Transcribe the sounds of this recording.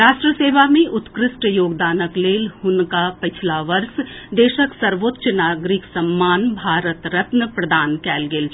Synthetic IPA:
ɾaːʃʈɾəseːʋamẽʔʊt̪kɾɪsʈjoːɡd̪aːnəkleːlhʊnkapɪt͡ʃʰlaʋɐɾsd̪eːʃəksɐɾʋoːt̪ːʃənaːɡɾɪksɐmːaːnbʱaːɾət̪ɾɐt̪nəpɾɐd̪aːnkɛːlɡeːl

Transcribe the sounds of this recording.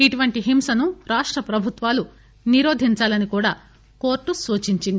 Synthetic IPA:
iʈuʋɐɳʈiɦimsɐnuɾaːʂʈɾɐpɾɐbʱut̪ʋaːlu | niɾoːd̪ʱiɲt͡ʃaːlɐnikuːɽaː | ko̞ːɾʈːusuːt͡ʃiɲt͡ʃind̪ii

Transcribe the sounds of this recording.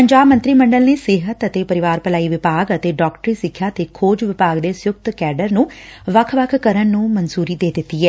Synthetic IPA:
pəɲd͡ʒaːbmə̃nt̪ɾiːməɳɖəlneːsɪɦət̪ət̪eːpəɾɪʋaːɾpəlaːiːʋɪpaːɡət̪eːɖɔːkʈəɾiːsɪkʰːjaːt̪eːkʰoːd͡ʒʋɪpaːɡd̪eːsjʊk̚t̪kɛːɖəɾnũːʋəkʰʋəkʰkəɾənːũːmənzuːɾiːd̪eːd̪ɪt̪ːiːɛː

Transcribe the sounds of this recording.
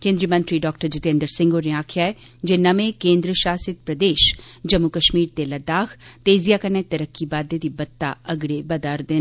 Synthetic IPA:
kẽːnd̪ɾijəmɐ̃nt̪ɾiɖɔːkʈəɾd͡ʒɪt̪ẽːnd̪əɾsɪ̃ŋɡoːɾiaːkʰjae | d͡ʒenɐmẽkẽːnd̪ɾəʃaːsɪt̪̚pɾɐd̪eːʃd͡ʒɐmːukɐʃmiːɾt̪elɐd̪aːkt̪eːzijakɐnet̪ɐɾəkːibaːd̪et̪ibɐt̪t̪ːa̰ɐɡɽebɐd̪aːɾd̪eː

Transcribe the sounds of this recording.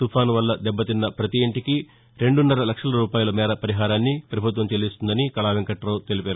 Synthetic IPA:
t̪upʰaːnʋɐlːɐd̪ɛbːɐt̪inːɐpɾɐt̪iːɳʈiki | ɾe̞ɳɖunːɐɾɐlɐkʂɐlɐɾuːpaːjulɐmɛːɾɐpɐɾiɦaːɾaːnːipɾɐbʱut̪ʋɐmt͡ʃelist̪und̪ɐnikɐɭaːʋeŋkɐʈɐɾoːt̪e̞lipeːɾu

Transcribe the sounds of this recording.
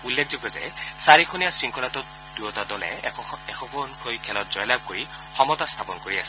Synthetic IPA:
ulːekʰzoɡɔzɛ̰saɹikʰonijasɹiŋkʰɔlatɔt | dujɔtadɔlɛ̰ɛkʰɔkʰɔnkʰojkʰɛlɔt̚zɔjlab̚koɹi | xɔmɔtast̪ʰapɔnkoɹiasɛ̥

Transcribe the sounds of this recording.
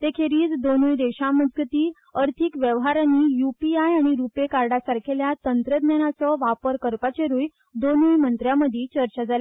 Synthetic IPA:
t̪ekʰeɾiːt͡sd̪onujd̪eɕaməd͡zɡət̪iː | əɾt̪ʰikʋjəʋɦaɾaniːjupiajaɽ̃iɾupekaɾɖasaɾkʰeljat̪ənt̪ɾəd̪njanat͡sɔʋapəɾkəɾpat͡ɕeɾuːj | d̪onuːjmənt̪ɾjaməd̪ʱiːt͡ɕəɾt͡ɕad͡zale

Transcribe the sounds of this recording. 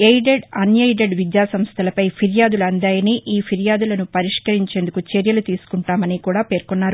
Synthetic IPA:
ejɖeɖɐnjɐjɖeɖʋid̪jaːsɐmst̪ʰɐlɐpɐjpʰiɾjaːd̪ulɐnd̪aːjɐniːʔiːpʰiɾjaːd̪ulɐnupɐɾiʂkɐɾiɲt͡ʃe̞ːnd̪ukut͡ʃeɾjɐlut̪iːsu̥kuɳʈaːmɐniːkuːɽaːpe̞ːɾkonːaːɾu

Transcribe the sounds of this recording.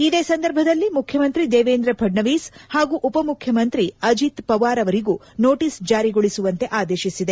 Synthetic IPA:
id̪e̞ːsɐnd̪ɐɾbʱɐd̪ɐlːimukʰjɐmɐnt̪ɾid̪eːʋeːnd̪ɾɐpʰɐɖɳɐʋiːshaːɡuːʔupɐmukʰjɐmɐnt̪ɾiɐd͡ʒit̪pɐʋaːɾɐʋɐɾiɡuː | noːʈiːsd͡ʒaːɾiɡoɭisuʋɐnt̪e̞ʔaːd̪e̞ːʃisid̪e

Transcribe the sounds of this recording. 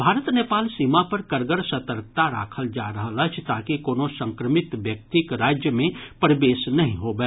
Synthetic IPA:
bʱaːɾət̪neːpaːlsiːmapəɾkəɾɡəɾsət̪əɾk̚t̪aɾa̰ːkʰəld͡ʒaɾəɦələt͡ʃʰt̪aːkikoːnosə̃ŋkɾəmɪt̪ʋjək̚t̪ikɾaːd͡ʒjəmẽpɾəbeːsnɐɦĩɦobɛ

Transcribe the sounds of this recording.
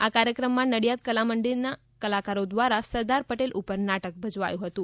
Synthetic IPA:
akaɾjəkɾəmːãnəɽijat̪̚kəlaməɳɖiɾna | kəlakaɾod̪ʋaɾasəɾd̪aɾpəʈelʔupəɾnaʈək̚bʱəd͡ʒʋa̰jũɦət̪ũ

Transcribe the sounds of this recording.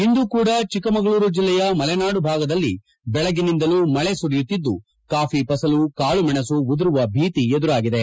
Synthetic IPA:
ind̪ukuːɽɐt͡ʃikɐmɐɡɐɭuːɾud͡ʒilːɛjɐmɐlɛnaːɽubʱaːɡɐd̪ɐlːi | bɛɭɐɡinind̪ɐluːmɐɭesuɾijut̪ːid̪ːu | kaːfipɐsɐlukaːɭumɛɳɐsuud̪ɐɾuʋɐbʱiːt̪ied̪uɾaːɡid̪e̞

